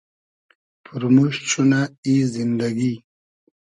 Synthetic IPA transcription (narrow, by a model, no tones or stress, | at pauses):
pʰuɾmuʂt͡ɕʰunaizind̪aɡi